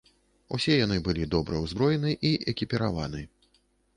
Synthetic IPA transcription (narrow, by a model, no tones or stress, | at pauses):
ṵsʲɛjanɨbɨlʲid̪ɔbɾɐwzbɾɔjɛnɨʔiʔɛkʲipʲɛɾa̰vanɨ